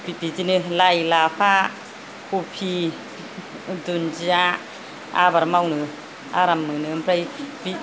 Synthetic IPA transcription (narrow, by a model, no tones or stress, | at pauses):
b̥itizinɯlajlapʰa | kʰupʰi | dunza | a̰baɾmawnɯ | a̰ɾamːɯnɯmpɾajbi